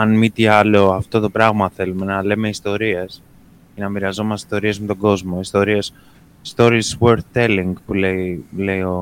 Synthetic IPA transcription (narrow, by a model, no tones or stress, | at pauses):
ɐnmit̪iɐloɐft̪o̞t̪o̞pɾɐɣmɐθe̞lume̞nɐle̞me̞ist̪o̞ɾies | cenɐmiɾɐzo̞mɐst̪ei̥st̪o̞ɾie̞zmet̪o̞ɡo̞zmo̞ist̪o̞ɾies | st̪o̞ɾisweɾθt̪e̞liŋɡpule̞ile̞io